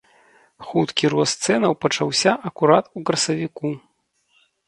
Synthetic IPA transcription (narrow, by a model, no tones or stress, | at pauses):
xut̪kʲiɾɔst̪sɛnɐwpɐt͡ʂawsʲaʔɐkuɾat̪ukɾɐsɐvʲiku